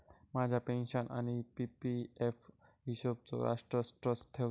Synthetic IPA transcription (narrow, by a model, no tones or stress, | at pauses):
mãd͡ʑʱapenʃɔnʔa̰nipipiefʰ | ɦiʃob̚t͡ɕo̰ɾa̰ʃʈɾosʈɾost̪ʰe